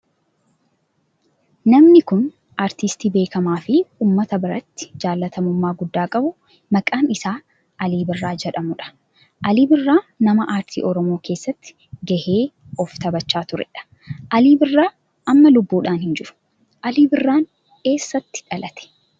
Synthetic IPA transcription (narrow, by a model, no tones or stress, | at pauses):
nɐmnɪkʊn | ʔaːɾt̪ist̪iːbe̞ːkɐmaːfɪuːmːɐt̪ɐbɪɾɐt̪ːɪ̥d͡ʒaːlːɐt̪ʰɐmʊmːaːɡʊd̪ːaːkʼɐbʊ | mɐkʼaːnɪsaː | ʔɐliːbɪrːaːd͡ʒɛᶑɐmʊᶑɐ̥ | ʔɐliːbɪrːaːnɐmɐʔaːɾt̪ʰḭːʔɔɾɔmoːke̞ːsːɐt̪ːɪ̥ | ɡɐheː | ɔft̪ɐbɐt͡ʃːaːt̪ʊɾɛ̰ᶑɐ̥ | ʔɐliːbɪrːaː | ʔɐmːɐlʊbːuːᶑaːnhɪnd͡ʒɪɾʊ̥ | ʔɐliːbɪrːaːn | ke̞ːsːɐt̪ːɪ̥ᶑɐlɐt̪ɛ̥